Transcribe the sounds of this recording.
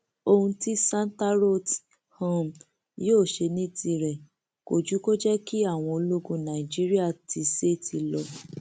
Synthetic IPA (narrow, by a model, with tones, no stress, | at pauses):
o˧hũ˧ti˦sã˦n˦ta˦ɾo˦t | ho˦m | joː˦˨ʃe˧nĩ˦ti˧ɾɛ˨ | ko˨d͡ʒu˨˦ko˦d͡ʒɛ˦ki˦a˦˨w̃ɔ̃˧o˧lo˦ɡũ˧nã˨i˨d͡ʒi˦ɾi˦a˦˨ti˨˧se˦˨ti˧lɔ˧